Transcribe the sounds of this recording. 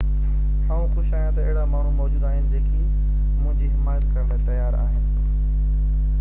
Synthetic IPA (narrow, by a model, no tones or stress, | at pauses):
aːũxʊʃaːɦjãt̪ɐeɦɪɽamaːɳ̤ũmɔːd͡ʑuːd̪aːɦɪnɪ̆d͡ʑeːkʰi | mʊ̃ɦɪ̃ɲd͡ʑiɦɪmaːjət̪kɐɾəɳd̪at̪ɐjaːɾa̰ːɦɪnɪ̆